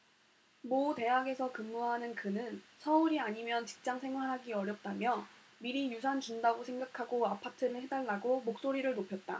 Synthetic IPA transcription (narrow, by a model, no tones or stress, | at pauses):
mote̞ɦaɡe̞sʰʌkɯmːuɦanɯnkɯnɯnsʰʌuɾiaɲimjʌnt͡ɕi̥k̚t͡ɕ͈aŋsʰe̞ŋɦwaɾɦaɡiʌɾjʌp̚t͈amjʌ | miɾijusʰant͡ɕundaɡosʰe̞ŋɡakʰaɡoapʰatʰɯɾɯɭhe̞daɭːaɡomok̚s͈oɾiɾɯɭnopʰjʌt̚t͈a̰